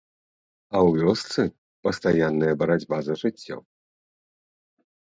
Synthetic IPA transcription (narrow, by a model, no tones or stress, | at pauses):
ɐwvʲɔst̪sɨ | pɐst̪ajanːɨjɐbɐɾad͡zʲbazɐʐɨt͡sʲːɔ̰